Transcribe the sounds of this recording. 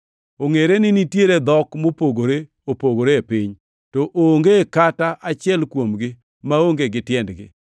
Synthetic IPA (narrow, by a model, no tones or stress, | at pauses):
oŋeɾenɪnitjeɾed̪ɔkmopoɡoɾe | opoɡoɾepɪɲ | tɔʔoŋɡekataʔat͡ʃɪɛlkwomɡɪ | maoŋɡeɡɪtjɛndɡɪ̰